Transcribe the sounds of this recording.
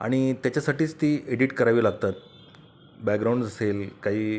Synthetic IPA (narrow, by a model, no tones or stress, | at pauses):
a̰ɽ̃it̪jat͡ɕasaʈiːt͡st̪iːeɽiʈkəɾaʋiːlaɡ̚t̪at̪̚ | bɛɡɾaw̃ɳɖd͡zaselkaɦiː